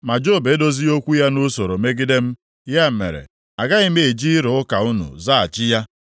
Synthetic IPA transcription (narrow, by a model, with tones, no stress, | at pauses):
ma˨d͡ʒo˦˨be˨˦do˦zi˦o˦kʷu˦ja˦nʊ˦so˨ɾo˨me˦ɡɪ˦de˦m̩˦ | ja˦˨mḛ˨ɾḛ˨ | a˨ɡa˦i˦me˨d͡ʒi˦ɾʊ˨ʊ˦ka˨ʊ˦nṵ˨za˦a˨t͡ʃɪ˦ja˦